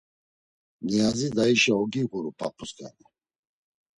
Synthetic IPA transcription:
nɛazid̪aiʃaɔɡiɡuɾupʰa̰pʰuskʼa̰ni

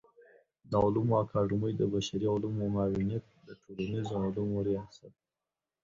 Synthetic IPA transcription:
d̪aʊlumoakɑɖʊməjd̪əbaʃaɾialumomɑwɪnijat̪̚d̪əʈʰolanizoalumoɾijɑsat̪̚

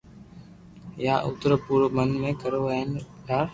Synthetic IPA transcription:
jaːʔʊ̰t̪ɾəpuːɾmənmẽːkəɾoːn | kaːɾ

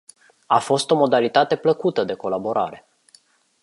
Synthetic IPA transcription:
afo̞st̪o̞mo̞d̪alit̪at̪e̞pləkut̪əd̪e̞ko̞labo̞ɾʔa̰ɾe̞

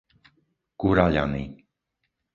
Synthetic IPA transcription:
kuɾaʎa̰ni

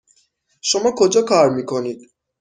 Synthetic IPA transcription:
ʃomɒːkʰod͡ʒɒːkʰɒːɾmiːkʰoniːd̪̥

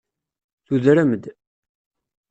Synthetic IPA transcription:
θuðɾæmd̪

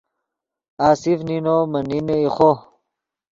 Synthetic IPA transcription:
aːsifninomɐnineiχo

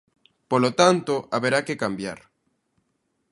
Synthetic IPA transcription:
polot̪ant̪oʔaβeɾakekambja̰ɾ

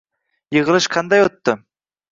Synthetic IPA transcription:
jɤʁəlˠɨʃqʰɑnd̪ɑjot̪ːʊ

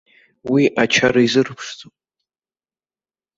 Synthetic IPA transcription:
wiʔat͡ʃʰaɾaizɨrpʰʂt͡sʼo

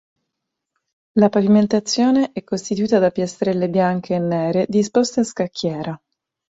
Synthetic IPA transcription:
lapaviment̪at̪sːjoːneʔɛkːost̪it̪uiːt̪ad̪apjest̪ɾɛlːebjaŋkʰeːnːɛːɾed̪ispost̪aaskakʰːjɛːɾa

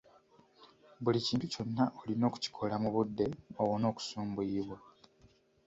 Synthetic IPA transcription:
βuliciːntuco̞nːaʔolino̞ːku̥ci̥kʰo̞lamuβudːe̞owono̞ːku̥suːmbuiβwa

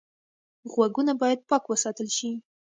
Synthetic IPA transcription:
ɣwaɡunabɑjad̪̚pɑkwəsɑt̪əlʃi

